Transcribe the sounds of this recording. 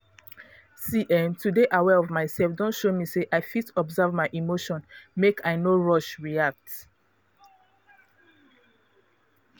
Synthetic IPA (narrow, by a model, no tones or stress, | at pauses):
siʔɛ̃ntudeʔawɛɔvmaɪsɛlfdɔ̃ntʃomiseʔaɪfitɔbzavmaɪʔimoʃɔ̃nmekʰaɪnoɹɔʃɹiak̚t